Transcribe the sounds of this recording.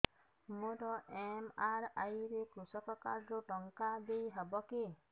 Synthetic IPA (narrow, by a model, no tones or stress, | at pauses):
moɾɔʔemaɾajɾekɾusɔkɔkaɾoʈɔŋkad̪ejɦebɔke